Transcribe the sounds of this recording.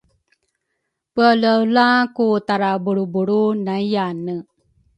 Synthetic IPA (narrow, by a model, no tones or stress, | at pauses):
pələwlakut̪aɾabuɽubuɽunajanə